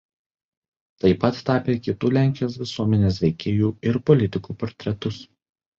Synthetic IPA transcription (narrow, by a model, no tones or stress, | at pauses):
t̪ɐɪpɐt̪ːɑːpʲeːkʲɪt̪uːlʲæˑŋʲkʲɪjoːsʋʲɪsuɔmʲɛnʲeːs̬ʋʲɛɪkʲeːjuːɪɾpɔlʲɪt̪ʲɪkuːpɔɾʲt̪ʲɾʲɛt̪ʊs